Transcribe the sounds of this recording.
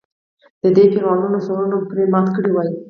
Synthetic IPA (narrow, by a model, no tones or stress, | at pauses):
d̪̥əd̪epeɾɑnunosoɾunopuɾemɑt̪kəɽiwɑji